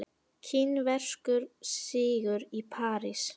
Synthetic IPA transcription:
cʰɪnvɛr̥kʏɾsɪːɣʏɾipʰaːɾis

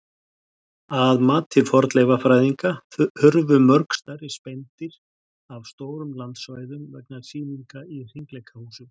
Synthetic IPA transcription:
aðmaːt̪ʰɪlfɔɾt̪lejvafɾaːjðiŋkahʏɾvʏmœɾkst̪ajɾɪspɛjnt̪ɪɾ | avst̪oːwɾʏmlant̪svaːjðʏmvɛknaɾ̥siːniŋkair̥iŋklejkʰahuːsʏm

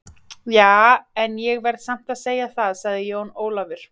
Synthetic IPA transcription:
jaːɛnjɛɣvɛɾðsam̥t̪aðseːjaθaðsaɣðɪjoːwnoːwlavɪɾ̥

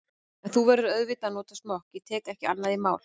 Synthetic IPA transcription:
ɛnθuvɛːɾʏɾœðvɪt̪anɔːt̪asmɔhcɪt̪ʰɛːkɛhcɪa̰nːaðimaːwl̥

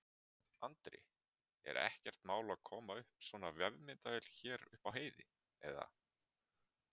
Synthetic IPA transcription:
ant̪ɾɪ̰ | ɛ̰ɾɛ̰hcɛr̥t̪maːwlaðkʰɔːmaʏhpsvɔːnavjɛvmɪnt̪aɛl̥çɛːɾʏ̰hpawɦeːjðɪ | ɛða̰

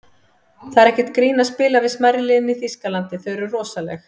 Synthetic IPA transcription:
θaðɾɛhcɛt̪kɾiːnaspɪːlavɪðsmajɾɪlɪːniθiskalant̪ɪθœɥɾʏrɔːsalɛ̰x

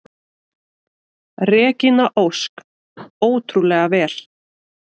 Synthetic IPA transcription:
rɛːcɪnaʔowsk | oːwt̪ʰɾulɛɣavɛːl̥

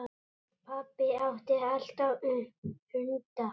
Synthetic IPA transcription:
pʰapːɪawht̪ɪalt̪a | hʏnt̪a

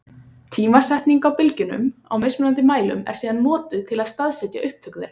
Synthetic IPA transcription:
t̪ʰiːmasɛht̪niŋkawpɪlcɪnʏ̰ma̰wmesmʏnant̪ɪmaːjlʏ̰mɛ̰ɾ̥siːðanːɔːt̪ʏt̪ʰɪlaðst̪aðsɛt̪ja̰ʔʏhp̚t̪ʰœkðɪɾ̥

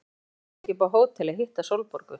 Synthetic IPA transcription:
cip̬awɦoːwt̪ʰɪlaɦiht̪asowlpɔɾkʏ

